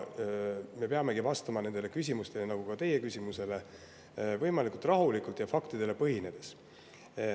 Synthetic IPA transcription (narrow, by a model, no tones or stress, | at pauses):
me̞peɑme̞ɡivɑst̪ɑmɑne̞nd̪ele̞kys̬ʲimust̪e̞lenɑɡ̥ukɑt̪e̞je̞kysʲimuse̞le̞ | vɤjmɑlikult̪ˑrɑɦulikˑult̪jɑfɑkt̪id̪e̞le̞pɤɦine̞d̪̥e̞s